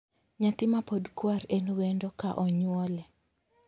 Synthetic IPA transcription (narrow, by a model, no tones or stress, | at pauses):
ɲat̪ɪmapodkwarenuwendokaʔɔɲwɔlɛ